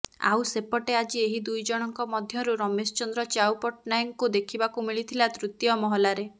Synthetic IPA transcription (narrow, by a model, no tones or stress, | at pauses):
a̰wsepɔʈead͡ʒieɦid̪ujd͡ʒɔɽ̃ɔŋkɔmɔd̪ʱjɔɾuɾɔmesɔt͡ʃɔnd̪ɾɔt͡ʃawpɔʈ̚najŋkud̪ekʰibakumiɭit̪ʰilat̪ɾut̪jɔmɔɦɔlaɾe